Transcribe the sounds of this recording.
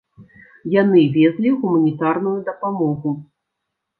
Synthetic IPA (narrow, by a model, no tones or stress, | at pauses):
janɨvʲɛzlʲiɣumɐnʲit̪arnujud̪ɐpamɔɣu